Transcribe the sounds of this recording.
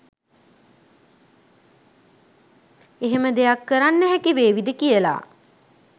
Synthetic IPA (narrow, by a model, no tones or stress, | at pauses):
eɦeməd̪ejakːəɾanːəɦɛkiʋeːʋid̪əkijəla̰ː